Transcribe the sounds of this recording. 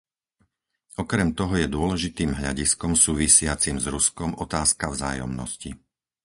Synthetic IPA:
ɔkɾɛmt̪ɔɦɔjɛd̪ʊɔlɛʒit̪iːmɦʎa̰ɟiskɔmsuːʋisɪat͡simzɾuskɔmʔɔt̪aːskavza̰ːjɔ̰mnɔ̰sci

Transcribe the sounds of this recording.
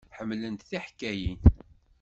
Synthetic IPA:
ħəmːlənt̪θiħkːæjin

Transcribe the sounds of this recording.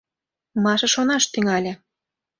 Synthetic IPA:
mɑʃɤ̆ʃonɑʃt̪yŋɑlʲĕ

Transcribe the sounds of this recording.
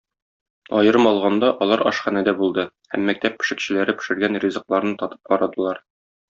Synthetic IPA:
ɒjɤ̆ɾɤmɒlˠʁɑnd̪ɑʔɒlˠɑɾʔɒ̰ʃχænæd̪æbulˠd̪ɤ | hæ̰mːæk̚t̪æpːɘ̥̆ʃɘ̆kɕɘ̆læɾɘpɘ̥̆ʃɘ̆ɾɡænrʲizɤ̆qlˠɑɾnɤt̪ɒt̪ɤ̥p̚qɒɾɑd̪ɤ̆lˠɑɾ

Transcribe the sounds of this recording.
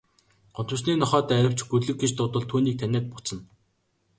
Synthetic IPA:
ɢʊnt̪ə̆sniːnɔχɔːt̪æːɾʲɪ̆w̥t͡ɕɡutɮɵ̆kɡet͡ɕt̪ʊt̪ə̆ɮt̪ʰuːniːk̚t̪ʰænʲæːt̪̚pʊt͡sə̆n

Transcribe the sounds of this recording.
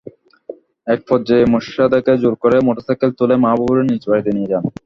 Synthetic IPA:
ɛk̚fʰɔd͡ʑeemoʃiad̪aked͡ʑoɾkoɾemoʈosajkelt̪ulemabubuɾenit͡ɕbaɾid̪enied͡ʑan

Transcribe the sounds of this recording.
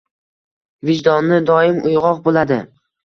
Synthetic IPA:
vɪd͡ʒd̪ɒnːɪd̪ɒɪmʊjʁɒqbolad̪ɪ

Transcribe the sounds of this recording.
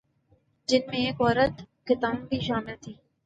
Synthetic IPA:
d͡ʒɪnmẽeːkɔːɾət̪ | xɪt̪aːmbʱiʃaːmɪlt̪ʰiː

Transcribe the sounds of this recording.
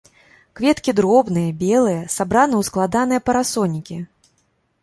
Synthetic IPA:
kvʲɛt̪kʲid̪ɾɔbnɨjɐbʲɛlˠɨjɐsabɾanɐwsklˠad̪anɨjɛpɐɾasɔnʲikʲi

